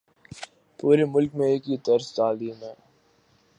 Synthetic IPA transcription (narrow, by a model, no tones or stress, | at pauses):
puːɾemʊlkmẽeːkit̪ɐɾst̪aːliːmɦɛː